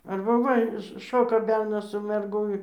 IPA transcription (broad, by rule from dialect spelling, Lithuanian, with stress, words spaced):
ɐrbɐ ˈʋɐ ˈʃoːkɐ ˈbʲɛrnɐs sʊ mʲɛrˈɡʊ ɪ